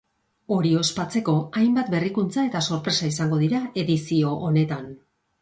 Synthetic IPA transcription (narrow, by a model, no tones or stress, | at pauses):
o̞ɾio̞spat͡se̞ko̞ajmbat̪̚be̞rikunt͡sae̞t̪aso̞ɾpɾe̞saisaŋɡo̞ðiɾae̞ðisio̞ʔːne̞t̪an